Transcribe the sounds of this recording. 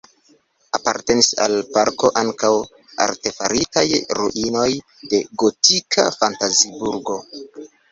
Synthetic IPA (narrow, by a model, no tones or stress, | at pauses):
apa̰ɾte̞nisa̰lpaɾko̞ʔaŋkaw | a̰ɾte̞faɾitajɾuʔino̞j | de̞ɡo̞tikʰafantazibuɾɡo̞